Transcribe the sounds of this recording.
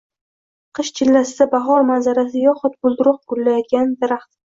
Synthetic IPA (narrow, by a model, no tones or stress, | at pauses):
qʰɨʃt͡ʃʰɪlːasɪd̪abaɦɒɾmazaɾasɪjɒχʊt̪̚bʊlˠd̪ɪɾʊq̚ɡʊlːajɒt̪̚ɡʲand̪aɾaχt̪